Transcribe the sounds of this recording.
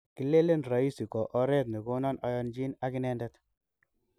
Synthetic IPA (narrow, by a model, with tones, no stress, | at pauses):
ki˦le˦le˦nɾa˨i˦si˨kɔ˨ʔɔ˦ɾe˦t̪̬̚ni˨ko˦nɔ˦nɔ˦jɔ˧nd͡ʒi˦na˦ki˦nɛ˦ndɛ˦t